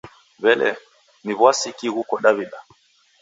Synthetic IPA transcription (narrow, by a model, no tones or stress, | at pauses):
βɛlʔɛ̰ | niβwasikiɣukɔɗaβiɗa